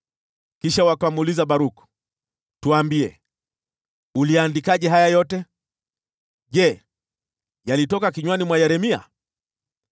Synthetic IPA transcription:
kiʃawakamulizaɓaɾuku̥ | tuaːmbiɛ̰ | uliandikaʄɛɦajajɔtɛ | ʄɛ | jalitɔkakiɲwanimwajɛɾɛmia̰

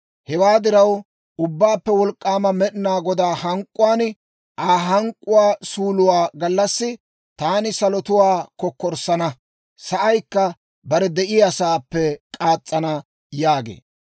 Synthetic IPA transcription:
hɛwaːd̪ɪɾɐw | ʔʊbːaːpːɛwɔlkʼːaːmɐmɛɗɪnaːɡɔd̪aːhɐŋkʼːʊwaːn | ʔaːɦɐŋkʼːʊwaːsuːlʊwaːɡɐlːɐsːɪ | t̪aːnɪsɐlɔt̪ʊwaːkɔkːɔɾsɐnɐ | sɐʔɐjkːɐ | bɐɾɛd̪ɛʔɪɐsaːpːɛkʼaːt͡sʼːɐnɐ | jaːɡḛː

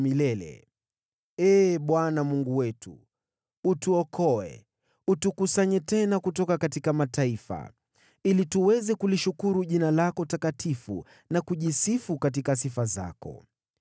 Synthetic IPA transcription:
milɛlɛ̰ | ɛːɓwanamuŋɡuwɛtṵ | utuɔkʰɔɛ̰ | utukusaɲɛtɛnakutɔkakatikamataifa̰ | ilituwɛzɛkuliʃukuɾuʄinalakɔtakatʰifṵ | nakuʄisifukat̬ikasifaza̰kɔ̰

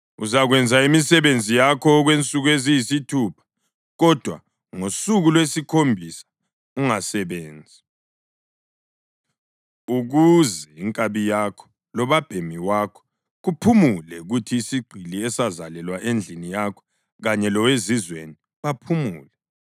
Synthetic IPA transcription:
uzaɣwɛnd͡zʱaimisɛβend͡zʱijakʰɔɣwent͡sʼuɣuezijisitʰupʰḁ | ɣɔd̥ʱwa̰ | ŋosuɣulwesikʰombʱisḁ | uŋasɛβeːnd͡zʱi | uɣuzɛiŋkʼaβijakʰɔ̥ | lɔβab̥ʱemiwakʰɔ̥ | ɣupʰumulɛuɣutʰiːsiɡ͡ǃʱiliɛsazalɛlwaʔend͡ɮʱinijakʰɔ̥ | ɣaɲɛlɔwezizwḛni | βapʰumuːlɛ

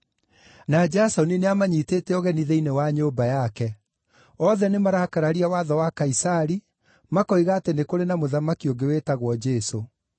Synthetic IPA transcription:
nad͡ʒasɔnineamaɲiteːtɛɔɣɛniðeinewaɲoːmbajakɛ | ɔðɛnemaɾakaɾaɾiawaðɔwakaisaɾi | makɔiɣaːtenekoɾenamoðamakioŋɡewetaɣwɔd͡ʒɛso

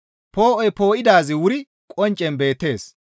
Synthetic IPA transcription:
po̞ːʔɔjpo̞ːʔɪd̪aːzɪwʊɾɪ | kʼɔnt͡ʃʼːɛnbe̞ːt̪ːe̞ːs

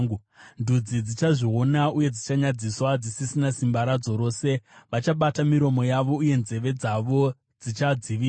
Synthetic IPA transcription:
u | ndʱud͡zid͡zit͡ʃaʐio̞nauje̞d͡zit͡ʃaɲad͡ziswad͡zisisinasimbaɾad͡zo̞ɾo̞ːse̞ʋat͡ʃaɓatamiɾo̞mo̞jaʋo̞uje̞nze̞ʋe̞d͡zaʋo̞ | d͡zit͡ʃad͡ziʋiː

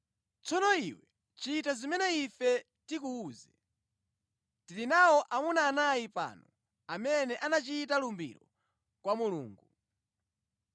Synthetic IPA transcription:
t͡sɔnɔiwɛ | t͡ʃitazimɛnɛifɛ | tikuuːzɛ | tiɾinawɔʔamunaːnajipa̰nɔ | amɛnɛʔanat͡ʃiːtalumbḭɾɔ | kwamulṵːŋɡu

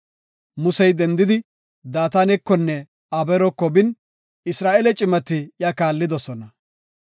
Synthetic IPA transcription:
mʊsɛjd̪ɛnd̪ɪd̪ɪ | d̪aːt̪anɛkːɔnːɛ | ɐbɛɾɔkːɔbɪn | ɪsɾaːʔɛlɛt͡ʃʼɪmɐt̪ːɪjakaːlːɪd̪ɔsɔnɐ

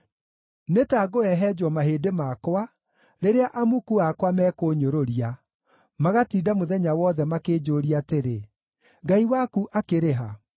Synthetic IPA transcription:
netaːɡoɛɦɛd͡ʒwɔmaɦeːdemakowa | ɾeɾeaʔamukuakwamɛːkoːɲoɾoɾia | maɣatiːdamoðɛɲawɔːðɛmakeːd͡ʒoːɾiateɾe | ɡaiwakuʔakeɾeɦa

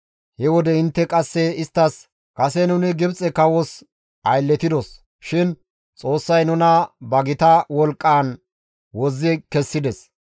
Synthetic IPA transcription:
hɛwɔd̪ɛɪnt̪ːɛkʼɐsːɛɪst̪ːɐs | kʼɐsɛnʊnɪɡɪbt͡sʼɛkɐwɔs | ʔɐjlːɛt̪ɪd̪ɔs | ʃɪn | t͡sʼo̞ːsːɐjnʊnɐbɐɡɪt̪ɐwɔlkʼːaːn | wɔzːɪkɛsːɪd̪ɛs

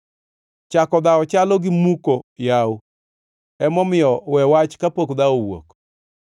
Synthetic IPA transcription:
t͡ʃakɔd̪aɔt͡ʃalɔɡɪmukojau | ɛmɔmɪjɔwɛwat͡ʃkapokd̪aowo̰k

